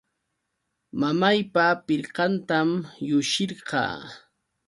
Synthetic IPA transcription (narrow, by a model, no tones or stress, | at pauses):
mamajpapɪɾqɑnt̪amjʊʃɪɾɢɑ̰ː